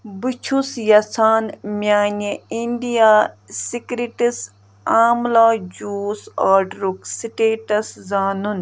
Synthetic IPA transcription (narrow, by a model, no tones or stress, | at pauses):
but͡ʃʰusjɐsaːnmʲjaːneinɖijaːsikɾiʈis | aːmlaːd͡ʒuːsaːɖɾuksiʈeːʈɐszaːnun